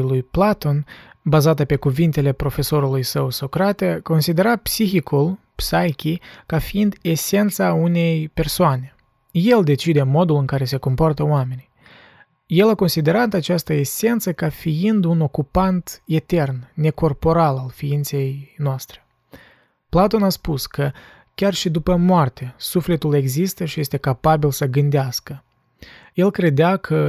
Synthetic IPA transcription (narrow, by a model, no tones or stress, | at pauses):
lujplat̪o̞nbazat̪əpe̞kuvint̪e̞le̞pɾo̞fe̞so̞ɾulujsəwso̞kɾat̪eko̞nsid̪e̞ɾapsixikulpsajkʲikafiind̪e̞se̞nt̪saune̞jpe̞rsoane̞ | je̞ld̪e̞t͡ʃid̪e̞mo̞d̪ulɨŋkaɾe̞se̞ko̞mpoart̪əoame̞ni | je̞lako̞nsid̪e̞ɾat̪̬at͡ʃast̪əese̞nt̪səkafiind̪uno̞kupant̪e̞t̪e̞rnːe̞ko̞rpo̞ɾalalfiint̪se̞jnoast̪ɾe̞ | plat̪o̞naspuskə | kʲarʃid̪upəmoart̪asufle̞t̪ule̞ɡzist̪əʃije̞st̪e̞kapabilsəɡɨnd̪easkə | je̞lkɾe̞d̪eakʰə